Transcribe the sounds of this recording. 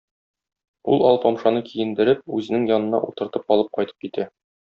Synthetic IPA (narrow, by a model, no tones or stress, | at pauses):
ulˠɒlˠpɒmʃɑnɤkʰijɘ̆nd̪ɘ̆ɾɘp̚ʉzɘ̆nɘŋjɒnɤ̆nɑ̰ʔṵt̪ɤ̆ɾt̪ɤp̚ɒlˠɤp̚qɒjt̪ɤ̥p̚kit̪æ